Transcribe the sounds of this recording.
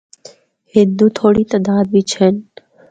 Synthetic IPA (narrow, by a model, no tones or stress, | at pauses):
hɪ̃nd̪ut̪ʰoːɽiːt̪əd̪aːd̪̚bit͡ʃʰən